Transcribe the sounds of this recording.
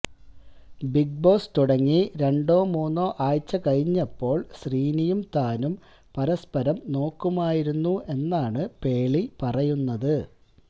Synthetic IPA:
biɡ̚bo̞ːst̪uɽɐŋːiɾe̞ɳɖo̞ːmuːnːo̞ːʔaːjt͡ɕːɐkɐɻiɲːɐpːo̞ːɭɕriːnijumt̪aːnum | pɐɾɐspɐɾɐmno̞ːkːumaːjiɾunːuʔe̞nːaːɳɨpe̞ːɭipɐrɐjunːɐðɨ

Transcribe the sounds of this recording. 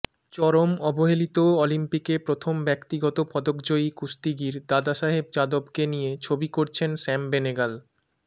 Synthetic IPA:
t͡ɕɔɾomɔboɦelit̪oolimpikepɾot̪ʰombɛkt̪iɡɔt̪opɔd̪okd͡ʑoikust̪iɡiɾd̪ad̪aʃaɦeb̚d͡ʑad̪obkenijet͡ɕʰobikoɾt͡ɕʰensɛmbeneɡal

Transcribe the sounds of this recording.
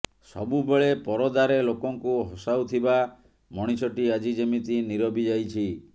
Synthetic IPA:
sɔ̰bubeɭepɔɾɔd̪aɾelokɔŋkuɦɔsawt̪ʰiba | mɔɽ̃isɔʈiad͡ʒid͡ʒemit̪iniɾɔbid͡ʒajt͡ʃʰi

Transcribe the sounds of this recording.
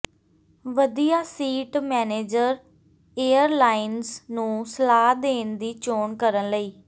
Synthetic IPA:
ʋəd̪ijaːsiːʈmɛːneːd͡ʒəɾ | eːəɾlaːɪnznũːsəlaːd̪eːnd̪iːt͡ʃoːnkəɾənləiː

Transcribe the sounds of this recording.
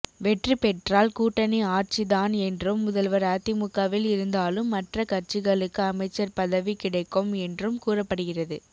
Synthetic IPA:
ʋɛʈripɛʈraːlkuːʈːɐniaːɾt͡ʃiðaːnɛndrɯmːʊðɐlʋɐɾaːt̪ːimʊkːaːʋɪlɪɾɯnd̪aːlɯmːɐʈrɐkɐɾt͡ʃɯɣɐɭɯkːɯɐmɐɪt͡ʃːɐɾpɐðɐʋikɪɽɐɪkːɔmɛndrɯmkuːrɐpːɐɽɯɣɪrɐðɯ

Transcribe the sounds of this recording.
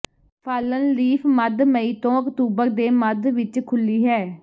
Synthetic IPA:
pʰaːlənliːfʰməd̪məiːt̪õːəkt̪uːbəɾd̪eːməd̪ʋɪt͡ʃkʰʊlːiːɦɛː

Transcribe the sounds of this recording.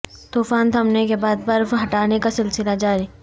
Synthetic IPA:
t̪uːfaːnt̪ʰɐmnekebaːd̪̚bɐɾfɦɐʈaːnekasɪlsɪlad͡ʒaːɾi

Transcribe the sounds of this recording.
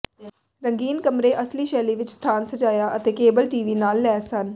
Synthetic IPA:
ɾəŋɡiːnkəmɾeːʔəsliːʃɛːliːʋɪt͡ʃst̪ʰaːnsət͡ʃaːjaːʔət̪eːkeːbəlʈiːʋiːnaːlːɛːsən

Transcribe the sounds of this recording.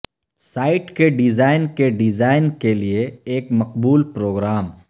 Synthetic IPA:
saːɪʈkeɖɪzaːɪnkeɖɪzaːɪnkelieeːkmɐqbuːlpɾoːɡɾaːm

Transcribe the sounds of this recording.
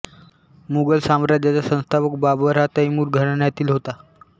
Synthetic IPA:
muɡəlsamɾad͡ʑjat͡sasə̃w̃st̪ʰaʋək̚babʋəɾat̪aimuːɾɡʱəɽɳjat̪iːlɦot̪a

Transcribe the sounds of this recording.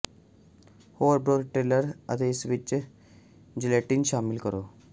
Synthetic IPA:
hoːʋɾbɾoːlʈeləɾɐ̰d̪esʋit͡ʃː | d͡ʒileʈːinɕaːmilkɐɾoː

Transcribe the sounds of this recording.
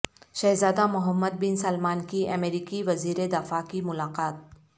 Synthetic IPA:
ʃɐːɦzaːd̪amʊɦəmːəd̪̚bɪnsɐlmaːnkiʔɐmeːɾiːkiʋɐziːɾed̪afakimʊlaːqaːt̪̚

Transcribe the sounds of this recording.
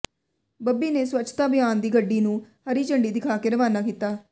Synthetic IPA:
bɐbːinesʋɐt͡ʃːt͡ʃːɐ̥t̪aːbɐjaːnd̪iːɡɐɖːiːnũːhɐɾit͡ʃɐɳɖid̪ɪkʰaːkeɾɐʋaːnaːɡɪt̪ːaː

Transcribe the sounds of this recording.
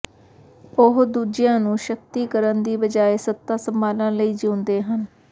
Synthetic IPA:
ʊɦd̪uːd͡ʒɪjãːnũːʃək̚t̪iːkəɾənd̪iːbəd͡ʒaːeːsət̪ːaːsəmbʱaːlãːləiːd͡ʒoːnd̪eːɦən

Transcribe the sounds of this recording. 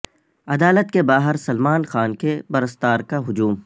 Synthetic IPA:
ɐd̪aːlət̪kebaːɦəɾsɐlmaːnxaːnkebɐɾəst̪aːɾkaɦʊd͡ʒuːm

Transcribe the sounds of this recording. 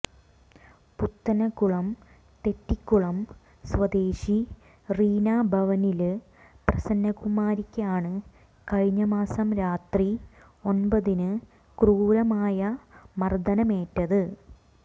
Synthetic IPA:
put̪ːɐnɐkːuɭɐm | t̪e̞tːikːuɭɐm | sʋɐd̪eːɕi | riːnaːbʱɐʋɐnil | prɐsɐnːɐkumaːɾikʲːɐaːɳɨ | kɐɻiɲːɐmaːsɐmɾaːt̪ri | o̞nbɐðinɨ | kruːɾɐmaːjɐmɐrd̪ɐnɐmeːtːɐðɨ

